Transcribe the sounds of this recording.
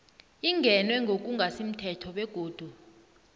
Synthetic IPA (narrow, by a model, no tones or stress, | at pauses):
iŋɡʱɛnwɛŋɡʱok̬ʼuŋɡʱasim̩tʰɛtʰɔɓɛɡ̥ʱoːd̥ʱu